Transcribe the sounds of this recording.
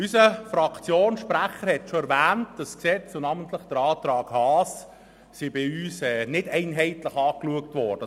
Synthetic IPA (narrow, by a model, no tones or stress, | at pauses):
ysəfɾɑkt͡sjoːnʃpɾæχəɾhɛtʃoɛɾvæːntd̥ɑsksɛt͡sonɑːməntləχd̥əɾɑːtɾɑːɡ̥hɑːs | sibɪyːsɛːnɪd̥ɛɪnɦɛɪtləχɑːkluək̚tʋɔd̥ə